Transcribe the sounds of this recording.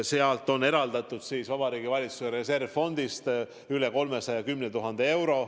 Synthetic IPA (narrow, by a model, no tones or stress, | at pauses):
seɑlt̪ːˑo̞ne̞ɾɑld̪ɑt̪ːˑud̪̥siːsvɑbɑɾiːɡivɑlʲit̪suseɾese̞rvfo̞nd̪̥ist̪ | yle̞ko̞lme̞sɑjɑkymnet̪uɦɑnd̪̥ee̞wɾo̞